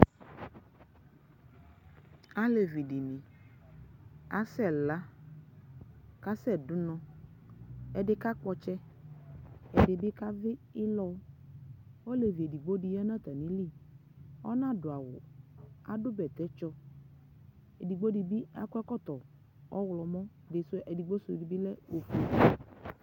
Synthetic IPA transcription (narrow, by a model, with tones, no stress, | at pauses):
a˦le˨vi˨di˨mĩ˨ | a˦sɛ˦˨la˦ | ka˦sɛ˦˨dʊ˦nɔ̃˨˦ | ɛ˨dɪ˦ka˦k͡pɔ˦t͡ʃɛ˦ | ɛ˨dɪ˨bɪ˦ka˦vɪ˦ɪ˦lɔ˦ | ɔ˦le˨vi˨e˨di˨ɡ͡bo˦di˨ja˦nã˦t̪a˨nĩ˦li˦˨ | ɔ̰˦nã˦dʊ˨a˨wʊ̰˨a̰˨dʊ˦bɛ˨t̪ɛ˨˦t͡ʃɔ˦ | e˨di˨ɡ͡bo˦di˨bi˦a˦kɛ˦kɔ˦˨t̪ɔ˨ | ɔ˦wlɔ˨mɔ̃˦ | dɪ˨sɛ˨di˨ɡ͡bo˦sʊ˨di˨bi˦lɛ˦o˨fu˨˦˨i˨